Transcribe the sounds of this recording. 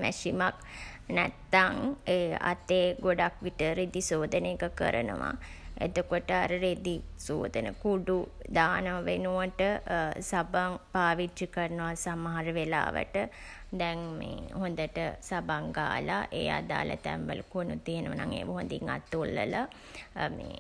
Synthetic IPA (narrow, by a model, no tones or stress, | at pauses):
mɛʃimak | nɛt̪ːaŋeːa̰t̪eːɡoɖakʋiʈəɾed̪isoːd̪ənekəkə̰ɾənə̰ʋa̰ | ḛd̪ukoʈəaɾəɾed̪iso̰ːd̪ənəkuɖu | d̪aːnəʋaʋenuʋəʈəsabaŋpaːʋiikərnuʋasamaɦaɾəʋela̰ːʋə̰ʈə | d̪ɛŋmḛhond̪əʈəsabaŋɡa̰ːlaʔeːja̰d̪a̰ːla̰t̪ɛmʋə̰lukuənut̪iɦenəʋənaŋḛːʋəɦond̪iŋa̰t̪ːulːəla | mḛː